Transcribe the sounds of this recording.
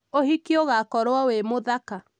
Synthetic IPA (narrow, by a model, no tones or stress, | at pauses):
ohikioɣakɔɾwɔwemoðaka